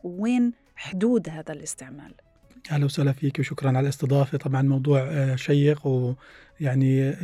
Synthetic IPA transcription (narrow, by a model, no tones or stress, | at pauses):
wweːn | ħʊd̪uːd̪haːðalɪst̪ɪʕma̰ːl | ʔahlawsaʔlafiːkwʃʊkɾˤɑnʕalalɪsˤt̪ɨd̪ˤɑːfet̪ˤɑbʕɑnmɑwd̪ˤuːʕʃajːɪqw | jaʕni